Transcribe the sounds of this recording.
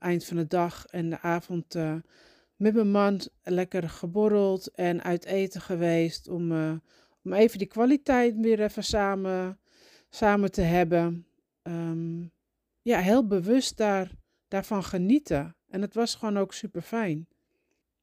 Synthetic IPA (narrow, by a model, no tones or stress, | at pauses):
ɛjntfɔndədɔxɛndəʔaːvɔntə | mɛtməmanlɛkərxəboɾəlˠtɛnʔœ̰ɥtʰeːtəxəʋeːstɔm | omeːvəndəkʋalitɛjtʋɪəɾɛfəsaːmə | saːmətəɦɛbə | əm | jaɦɪːlˠbəʋøst̚dar | d̥arfɔnxənitʰəʔɛndɔtʋɔsxoːnowksypərfɛjn